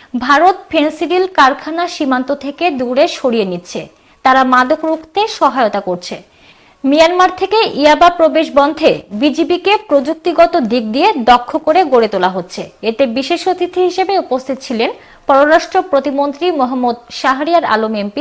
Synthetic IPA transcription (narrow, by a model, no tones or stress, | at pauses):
bʱaɾot̪̚fʰensiɾilkaɾkʰanaʃimant̪ot̪ʰeked̪uɾeʃoɽijenitːɕʰe | t̪aɾamad̪okɾukʰt̪eʃɔɦaeot̪akoɾt͡ɕʰe | mijanmaɾt̪ʰekeʔiabapɾobeʃbɔnd̪ʱebid͡ʑibikepɾod͡ʑuk̚t̪iɡɔt̪od̪ik̚d̪ijed̪ɔkʰːokoɾeɡoɾet̪olaɦotːɕʰeet̪ebiʃeʃot̪ʰit̪ʰiɦiʃebeupost̪ʰit̪̚t͡ɕʰilen | pɔɾoɾaʃʈɾopɾot̪imont̪ɾimoɦamːod̪ʃaɦaɾiaɾa̰lomempi